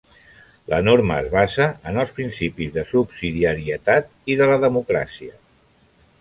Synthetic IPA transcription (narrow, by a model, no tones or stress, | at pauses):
lə̰noɾməːzβazəənəlˠspɾinsipizðəsubsiðiəɾiət̪at̪̚iðələðəmukɾa̰siə